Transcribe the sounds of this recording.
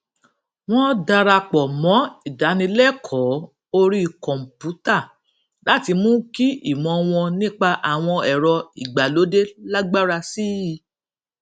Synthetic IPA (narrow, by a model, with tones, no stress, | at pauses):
w̃ɔ̃˦da˧ɾa˧k͡pɔ˨mɔ̃˨˦i˦˨da˨˦nĩ˧lɛ˦˨kʰɔ˨˦ | o˧ɾi˦˨kɔ̃˨m̩˨pu˨˦ta˦˨ | la˨˦ti˧mũ˦ki˦ḭ˦˨mɔ̃˧w̃ɔ̃˧nĩ˦k͡pa˧ʔa˨w̃ɔ̃˧ɛ˨ɾɔ˧i˨ɡ͡ba˨lo˨˦de˦la˦ɡ͡ba˦ɾa˧si˦i˨˦